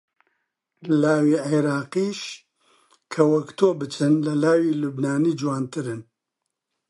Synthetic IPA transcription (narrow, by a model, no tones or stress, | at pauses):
laːwiːʕeɾaːqiːʃ | kʰɐwɐkt̪ʰoːbɨt͡ʃɨnlɐlaːwiːlubnaːniːd͡ʒwaːnt̪ɨɾɨn